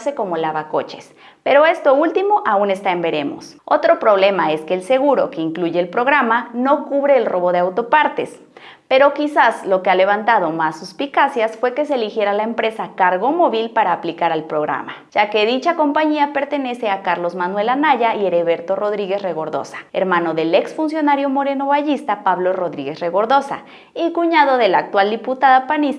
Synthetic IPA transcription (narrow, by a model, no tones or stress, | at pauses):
seko̞molaβako̰t͡ʃes | peɾoe̞st̪oult̪imoʔaune̞st̪aembeɾemo̰s | ot̪ɾopɾoβlemaeskeːlseɣuɾo̰keiŋkluʝeːlpɾoɣɾamanokuβɾeːlroβo̞ðeawt̪o̞paɾt̪es | peɾokisaslokeale̞βant̪að̞omasːuspikasjasfwe̞ke̞s̬eːlixjeɾalaempɾe̞sakaɾɣomoβilpaɾaːplikaɾalpɾoɣɾa̰maʝ̥akeðit͡ʃakompaɲiapeɾt̪eneseakaɾlosmanwelanaʝaieɾeβeɾt̪oroðɾiɣesreɣoɾðo̰sḁḛɾmanoðeleksfuns̬jonaɾjomoɾenoβaʝist̪apaβloroðɾiɣesreɣoɾðosa̰ | ikuɲaðoðelak̚t̪wald̪iput̪aðapanis